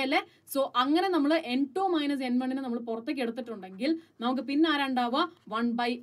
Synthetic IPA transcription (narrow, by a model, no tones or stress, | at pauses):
ɐlːe | so̞ːʔɐŋːɐnenɐmːɐɭʔe̞ɳʈːoːmɐjnɐs̬enmɐɳɖinɨnɐmːɐɭpurɐt̪ːek̬ʲːe̞ɽut̪ːiʈːuɳɖe̞ŋɡilnɐmuk̬ːɨpinːeaːɾaːɳɖaːʋɐʋɐɳbɐj